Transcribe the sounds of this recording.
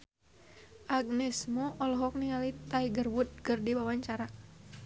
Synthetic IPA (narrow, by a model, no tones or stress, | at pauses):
ʔaɡ̚nɛsmɔʔɔlɔɦɔk̚niŋalit̪aiɡərwut̪̚kərdiwawaɲt͡ʃaɾa